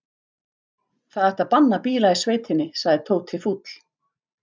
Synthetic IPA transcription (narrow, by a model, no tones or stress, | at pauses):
θaðaht̪apanːapiːlaisveːjt̪ʰɪnːɪsaɣðɪt̪ʰoːwt̪ʰːɪlfuːt̪l̥